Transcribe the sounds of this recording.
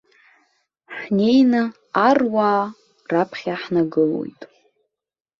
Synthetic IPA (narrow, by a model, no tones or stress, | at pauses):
ħne̞jnɨ | arwaː | rapʰχʲaħnaɡɨlo̞̰jtʼ